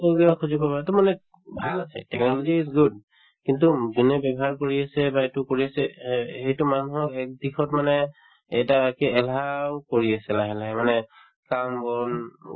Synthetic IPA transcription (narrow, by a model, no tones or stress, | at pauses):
ɔbiakʰuzɔbɔpaɛtɔmanɛ | bʱalasɛ̰tɛknɔlɔziːzɡud̚ | kintuzinɛbɛbɔɦaɹkoɹiasɛbajtʊkoɹiasɛhejtumanuɦɔɛk̚dixʰɔtmanɛ | ɛtaakɛɛlawkoɹiasɛlaɦɛlaɦɛmanɛ | kambɔɹɔn